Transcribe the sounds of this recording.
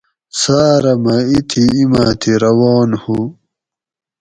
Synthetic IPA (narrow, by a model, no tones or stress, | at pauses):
saːɾɐmɐit̪ʰiːma̰ːt̪ʰiɾɐwɑːnhu